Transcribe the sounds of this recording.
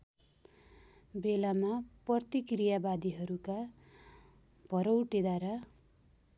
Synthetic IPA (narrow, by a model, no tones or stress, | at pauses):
belamaprʌrt̪ikrijabad̪iɦʌɾuka | bʱʌɾʌwʈed̪aɾa